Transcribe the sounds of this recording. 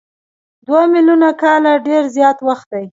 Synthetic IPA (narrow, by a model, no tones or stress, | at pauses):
d̪wamɪljunakɑlaɖeɾzjɑt̪waxt̪̚d̪aj